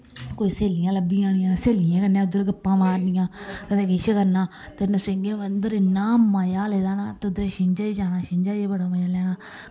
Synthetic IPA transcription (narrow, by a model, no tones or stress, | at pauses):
koːiːseːlɪjãːləbːijãːnɪ̃jãːseːlɪjãːkənːãːʊd̪əɾɡɪpːãːmaːɾnɪjãːkət̪eːkɪʃəkəɾnãː | t̪ənəsɪŋɡeːʋənd̪əɾɪnaːmaːjaːlɛːd̪aːnaːt̪eːʊd̪ɾeːʃɪɲd͡ʒaːid͡ʒaːnaːʃɪɲd͡ʒaːjeːbəɽaːmajaːlɛːnaː